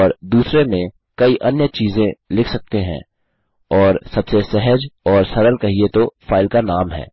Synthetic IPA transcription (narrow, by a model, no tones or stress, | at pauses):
ɔːɾd̪uːsɾemẽ | kɐiʔɐnjət͡ʃiːzẽlɪkʰsɐk̚t̪eɦɛ̰̃ | ɔːɾsɐbsesɛɦəd͡ʒɔːɾsɐɾəlkɐɦiet̪ofaːɪlkanaːmɦɛ̰ː